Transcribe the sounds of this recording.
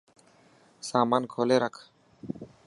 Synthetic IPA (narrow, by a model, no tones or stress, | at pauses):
saːmaːnkʰoːleːɾɐkʰ